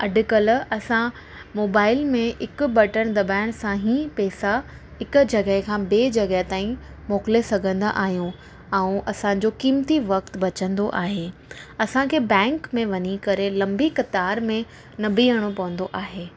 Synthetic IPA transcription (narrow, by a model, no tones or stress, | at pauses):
ɐɖʊ̆kɐlɐsã | moːbaːɪlmẽɪkʊ̆bɐʈəɽ̃d̪ɐbaːɪɽ̃sãːɦĩpɛːsa | ɦɪkʊ̆d͡ʑɐɡəɦkʰãːbeːd͡ʑɐɡəɦt̪aːĩ | moːkɪlesɐɡʱə̃nd̪aʔa̰ːɦijũ | ɛ̃ũʔɐsãːɲ̆d͡ʑokiːmt̪iʋɐkt̪bɐt͡ɕə̃nd̪oʔaːɦeːɐsãkʰeːbɛ̃ːŋkmẽʋɐɲikɐɾelɐ̃mbikɐt̪aːɾmẽ | nɐbiːəɽ̃opɐʋə̃nd̪oʔaːɦeː